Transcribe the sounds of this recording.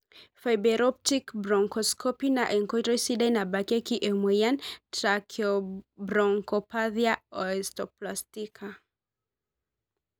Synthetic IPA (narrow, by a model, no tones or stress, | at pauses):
fajbɛɾɔp̚tikbɾɔŋkɔskɔpinaʔeŋkɔtɾɔjsidajnabakekiʔemwɛjantɾakʰiɔbɾɔŋkɔpaðiaɔɛstɔplastikʰa